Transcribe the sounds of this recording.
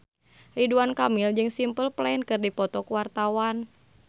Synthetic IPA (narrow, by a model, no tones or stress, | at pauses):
liduankamild͡ʒɨŋsimpəlplaɛnkɨrdipɔt̪ɔkuwart̪awan